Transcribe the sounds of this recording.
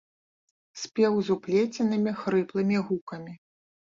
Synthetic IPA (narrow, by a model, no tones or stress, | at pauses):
sʲpʲɛwzuplʲet͡sʲinɨmʲixɾɨplˠɨmʲiɣukɐmʲi